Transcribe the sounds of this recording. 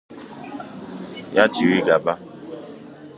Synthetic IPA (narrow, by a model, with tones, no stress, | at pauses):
ja˦ti˨ɾi˦ɡa˨ba˦